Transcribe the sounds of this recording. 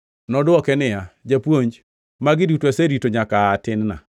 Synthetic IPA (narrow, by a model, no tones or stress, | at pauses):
nɔdwɔkɛnɪjad͡ʒapwoɲd͡ʒ | maɡɪdutwaseɾitoɲakaːtɪnna̰